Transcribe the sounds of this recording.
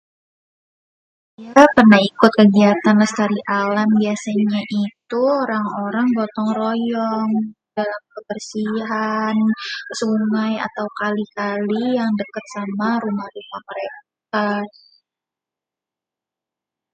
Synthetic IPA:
japərnahikʊt̪̚kəɡiat̪anləst̪aɾiʔalambiasaɲaʔit̪uoɾaŋoɾaŋɡɔt̪ɔŋrɔjɔŋdalamkəbərsiɦansuŋaja̰t̪awkalikalijaŋdəkət̪̚samaɾumahrumahməɾek̚a

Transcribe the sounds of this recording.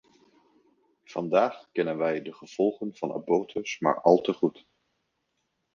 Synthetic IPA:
v̥ɑndaːχkɛnənʋɛjdəχəv̥ɔlˠχənv̥ɑna̰boːtʰəsma̰ːɹʔɑlˠtəχut

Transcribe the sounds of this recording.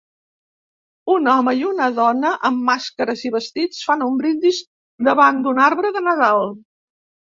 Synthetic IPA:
unɔməiunəðɔnəʔəmːaskəɾəziβəst̪it͡sfanumbɾind̪iʃ | d̪əβand̪unaɾβɾəðənəðalˠ

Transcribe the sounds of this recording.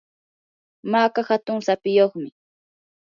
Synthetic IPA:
maːkahat̪ʊŋsapɪjoχmɪ

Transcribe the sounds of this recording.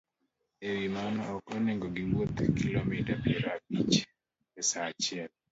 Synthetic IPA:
ewimanɔɔkɔneŋɡɔɡiwot̪kilomitapiɛɾabit͡ʃ | esat͡ʃɪɛl

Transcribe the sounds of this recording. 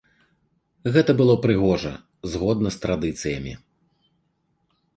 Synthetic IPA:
ɣɛt̪ɐbɨlˠɔpɾɨɣɔʐɐ̰ | zɣɔd̪nɐst̪ɾad̪ɨt̪sɨjɐmʲḭ

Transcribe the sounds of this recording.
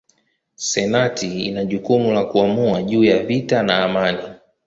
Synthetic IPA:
sɛnatiinaʄukumulakuamuaʄuːjavitanaːmani

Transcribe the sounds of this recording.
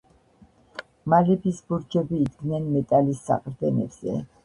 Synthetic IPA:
malɛbisbuɾd͡ʒɛbiːd̪ɡnɛnmɛt̪ʼalisːa̰qʼɾd̪ɛnɛbz̥ɛ̰

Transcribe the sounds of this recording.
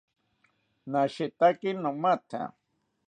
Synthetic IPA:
naʃet̪akinomat̪ʰa̰

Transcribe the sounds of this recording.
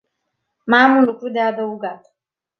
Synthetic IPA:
mamunukudɛadɔuɡa

